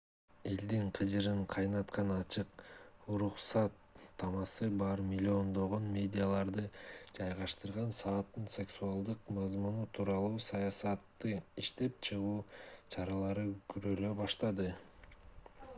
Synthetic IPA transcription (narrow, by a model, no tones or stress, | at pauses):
e̞ld̪iɴqʰɯd͡ʒɯɾɯɴqʰɑjnɑt̪qɑnɑt͡ʃʰɯquɾuqsɑt̪ʰːɑmɑsɯbɑɾmʲɪlʲːio̞nd̪o̞ʁo̞nmʲe̞dʲijalˠɑɾd̪ɯd͡ʒɑjʁɑʃt̪ɯɾʁɑnsɑːt̪ːɯnse̞ksuɑlˠd̪ɯqmɑzmunut̪ʰuːɾɑlˠuːsɑjɑsɑt̪ːɯiʃt̪e̞p̚t͡ʃʰɯʁuːt͡ʃʰɑɾɑlˠɑɾɯkyɾøløbɑʃt̪ɑd̪ɯ